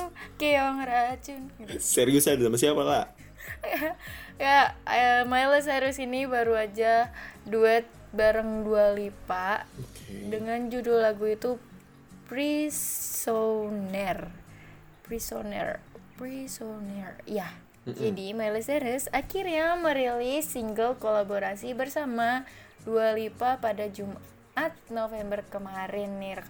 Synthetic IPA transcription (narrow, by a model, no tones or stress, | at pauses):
keɔŋɾat͡ʃʊnsɛɾiusadisamasiapala̰ | jaja | majləs̬aɾəsinibaɾuad͡ʒaduɛt̪̚ | baɾəŋdualipaʔdəŋand͡ʒudolaɡuit̪u | prisonɛr | pɾisonɛ̰rprisonɛrija | d͡ʒadimalisɛɾəsakirɲaməɾelɪsːiŋɡəlkolaboɾasibərsamadualipapadad͡ʒum | ʔat̪̚nofembərkəmaɾɪnːir